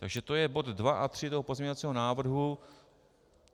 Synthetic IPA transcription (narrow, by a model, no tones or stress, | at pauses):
t̪a̰ɡʒɛt̪o̞jɛbo̞t̪dvaʔat̪r̝̥ɪt̪oɦopo̞zmɲɛɲovat͡siːɦo̞naːvr̩ɦu